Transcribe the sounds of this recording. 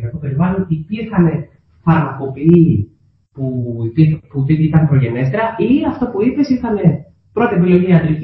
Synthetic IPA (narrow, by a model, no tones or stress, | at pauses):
kɐkope̞ɾivɐlonipiɾxɐne̞ | fɐɾmɐko̞pini | pupiput̪it̪iit̪ɐnpɾo̞ʝene̞st̪eɾɐʔiɐft̪opuipe̞sitɐne̞ | pɾo̞t̪ie̞pilo̞ʝiiɐd̪ɾic